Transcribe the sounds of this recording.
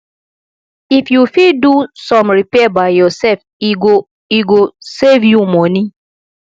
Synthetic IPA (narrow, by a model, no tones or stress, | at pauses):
ifjufidusɔ̃mɹipɛabaɪjɔsɛlf | iɡo | iɡosevjumɔni